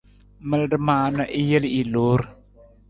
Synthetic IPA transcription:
mə˦lɖə˦maː˨na˦ʔi˦jə˦li˨lo˨˦ɾ

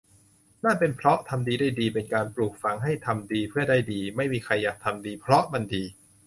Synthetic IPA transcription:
naː˥˩pe˧npʰɾɔ˦˥t̪ʰa˧mdiː˧daː˥˩jdiː˧pe˧nkaː˧npluː˨˩k̚fa˧ŋɦa˥˩jt̪ʰa˧mdiː˧pʰɯ˥˩ɐdaː˥˩jdiː˧ma˥˩jmiː˧kʰa˧jːaː˨˩k̚t̪ʰa˧mdiː˧pʰɾɔ˦˥ma˧ndiː˧

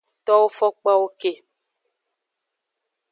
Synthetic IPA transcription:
tɔ˦wo˦fɔ˦k͡pa˦wo˦ke˨

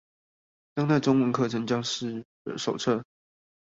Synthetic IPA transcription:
t͡ɕɑ˥ŋt͡sa˥˩ɪʈ͡ʂʊ˥ŋwə˧˥nkʰɤ˥˩ʈ͡ʂʰɤ˧˥ŋt͡ɕjɑ˥ŋʂɻ̩˥˩ | ə̰˨˩ʂo˨˩ʊʈ͡ʂʰɤ˥˩

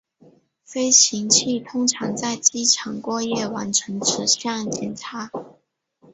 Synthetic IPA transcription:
fe˥ɪɕʰi˧˥ŋt͡ɕʰi˥˩t̪ʰʊ˥ŋʈ͡ʂʰɑ˧˥ŋt͡sa˥˩ɪt͡ɕi˥ʈ͡ʂʰɑ˧˥ŋkwɔ˥˧jɛ˥˩wa˧˥nʈ͡ʂʰɤ˧˥ŋʈ͡ʂʰɻ̩˧˥ɕɑ˥˧˩ŋt͡ɕjɛ˨˩nʈ͡ʂʰa˧˥

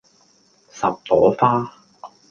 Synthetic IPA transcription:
sɐ˨p̚t̪ɔː˨˥faː˥

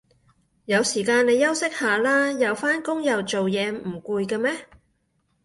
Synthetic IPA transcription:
jɐ˨˧wsiː˨˩kaː˧ne˨˧jɐ˥wsɪ˥k̚haː˨˩laː˥jɐ˨˧wfaː˥nkʊ˥ŋjɐ˨wt͡ʃo˨wjɛː˨˧m̩˨˩kuː˧jkɛ˧mɛː˥

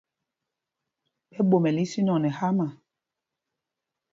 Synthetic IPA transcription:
pɛ˦ɓo˨mɛ˨li˦si˦nɔ˨nɛ˨ha˦ma˨

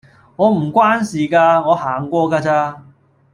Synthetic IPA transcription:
ŋɔː˨˧m̩˨˩kʷwaː˥nsiː˨˩kaː˧ŋɔː˨˧haː˨˩ŋkʷɔː˧kaː˧t͡saː˧

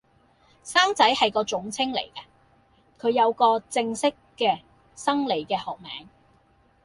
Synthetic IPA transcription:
saː˥ŋt͡sɐ˨˥jhɐ˨jkɔː˧t͡ʃʊ˨˥ŋt͡sʰɪ˥ŋlḛ˨˩jkɐ˧ | kʰɵ˨˧ɥjɐ˨˧wkɔː˧t͡sɪ˧ŋsɪ˥kːɛː˧ | sɐ˥ŋle˨˧jkɛː˧hɔː˨˩k̚mɛ̰ː˨˥ŋ

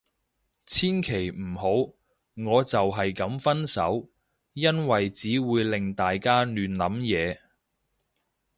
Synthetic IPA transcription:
t͡sʰiː˥nkʰe˨˩jm̩˨˩ho˨˥w | ŋɔː˨˧t͡sɐ˨wɦɐ˨jkɐ˨˥mfɐ˥nsɐ̰˨˥w | jɐ˥nwɐ˨jt͡siː˨˥wuː˨˧jlɪ˨˩ŋt̪aː˨jkaː˥nyː˨˧nlɐ˨˥mjɛː˨˧

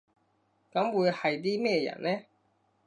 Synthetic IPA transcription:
kɐ˨˥mwuː˨˧jhɐ˨jt̪̬iː˥mɛː˥˧jɐ̰˨˩nlɛː˥

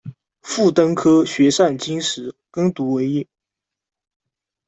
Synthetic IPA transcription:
fu˥˩t̪ɤ˥ŋkʰɤ˥ɕɥɛ˧˥ʂa˥˩nt͡ɕi˥nʂɻ̩˧˥kɤ˥ŋt̪u˧˥we˧˥ɪi˥˩

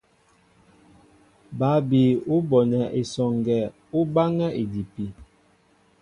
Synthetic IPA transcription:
ba˨˦bi˨u˦bɔ˨nɛ˨ʔe˨sɔ˨ŋɡɛ˨ | u˦ba˦ŋɛ˦ʔe˨di˨pi˨

